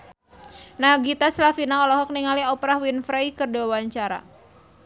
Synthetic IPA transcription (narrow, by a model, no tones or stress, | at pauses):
naɡit̪aslafinaɔlɔɦɔk̚niŋaliɔpɾahwinfɾajkərdeawaɲt͡ʃaɾa̰